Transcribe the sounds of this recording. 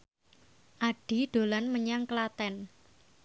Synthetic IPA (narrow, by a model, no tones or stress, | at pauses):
ʔaɖ̥i̤ɖ̥o̤lanməɲaŋkəlat̪ɛn